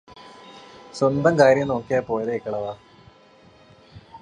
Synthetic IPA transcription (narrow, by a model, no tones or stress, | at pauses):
swɐnd̪ɐmkaːɾjɐmno̞ːkːijɐpo̞ːjɐðeikːɐɭɐʋaː